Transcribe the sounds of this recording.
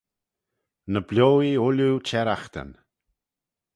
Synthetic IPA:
nəblʲoːiʊlʲut͡ʃɛɾaxt̪ə̰n

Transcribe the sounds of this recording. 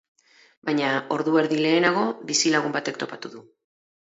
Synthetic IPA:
bajɲao̞ɾðue̞ɾðile̞ːnaɣ̞o̞βisilaɣ̞umbat̪e̞kt̪o̞pat̪uðu

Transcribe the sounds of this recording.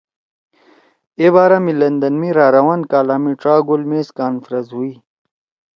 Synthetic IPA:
ebaːɾamilɐnd̪ɐnmiɾaːɾɐwaːnkaːlaːmiʈɾaːɡulmeːskaːnfɾɐzɦui

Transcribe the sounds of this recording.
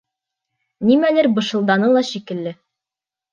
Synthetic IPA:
nimælɘɾbɤ̆ʃɤ̆lˠd̪ɑnɤlˠɑɕikɘ̆lːɘ

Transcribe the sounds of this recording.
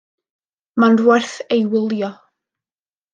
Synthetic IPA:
manrwarθejwɪlˠjɔ

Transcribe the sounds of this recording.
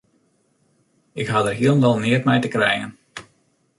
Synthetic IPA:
ɪkɦadərɦiəlˠndɑlˠnɪətmɛjtəkrɛjɣən

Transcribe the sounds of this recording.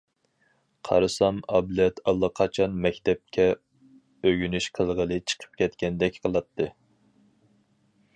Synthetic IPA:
qʰɑɾɨsɑmɑblɛt̪ʰɑlˠːɑqʰɑt͡ʃʰɑnmɛkʲt̪ɛp̚kʲʰɛ | øɡʲynyʃqʰəlˠʁəlˠɨt͡ʃʰə̥qʰə̥p̚kʲʰɛt̪kʲɛnd̪ɛkʲqʰəlˠɑt̪ʰːɨ

